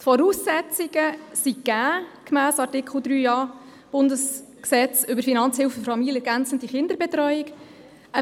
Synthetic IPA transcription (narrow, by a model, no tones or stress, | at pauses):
t̪fɔɾuːsːɛt͡sɪɡ̥əsiɡ̥æːkmæːsɑɾtɪkχl̩ˠd̪ɾyːjɑː | b̥ʊndəsksɛt͡sʏbəɾfinɑnt͡shɪlfəfɑmiləɛɾɡænt͡səntiχɪnd̪əɾbɛt̪ɾœʏik | ə